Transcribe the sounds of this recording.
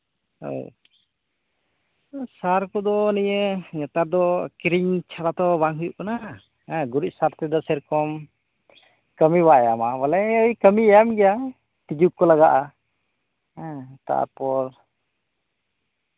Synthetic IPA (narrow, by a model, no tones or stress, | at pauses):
o̰ | saɾkɔd̪ɔniɲəɲat̪aɾd̪ɔkɾiɲt͡ʃʰaɽat̪ɔbaŋɦujuʔkanã | ɡuɾic̚ˀsaɾt̪ɛd̪ɔsɛɾkɔm | kəmibaɛjamabɔlɛəjkəmiajamɡɛja | t̪id͡ʒukkːɔlaɡaʔa | t̪a̰a̰ɾpɔɾ